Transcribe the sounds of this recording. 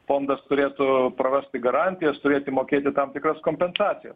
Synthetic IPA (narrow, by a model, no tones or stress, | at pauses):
foːnd̪ɐst̪ʊɾʲeːt̪ʊpɾɐʋʲæsʲt̪ʲɪɡɐɾɑnʲt̪ʲɪjɛst̪ʊɾʲeːt̪ʲɪmoːkʲeːt̪ʲɪt̪ɐmt̪ʲɪkɾɐskoːmʲpʲɛnsɑːtsʲɪjɛ̰s